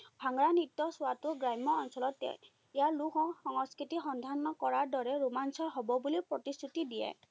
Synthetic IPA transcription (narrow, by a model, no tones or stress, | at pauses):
bʱaŋɹanit̪ːɔswatuɡɹajmɔːnsɔlɔtɛ̰ | jjaluɦɔ̃hɔŋɔskɹit̪ixɔnd̪ʱanːɔkɔɹaɹdɔɹɛɹumansɔɦɔbɔbulipɹɔtist̪ʰut̪idiɛ̰